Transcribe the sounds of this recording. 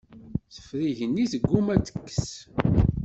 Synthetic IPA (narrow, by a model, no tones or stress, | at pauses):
θə̥fɾiʝənːisəɡːumæt͡sːə̥kːə̥s